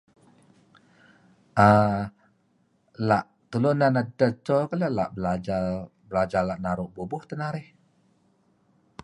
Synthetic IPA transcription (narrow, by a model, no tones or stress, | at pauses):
ʔa | laʔ | t̪əlʊnanadət͡ʃɔkaləla̰ʔbəlad͡ʒabəlad͡ʒalaʔnaɾʊʔbubʊht̪ənaɾɪh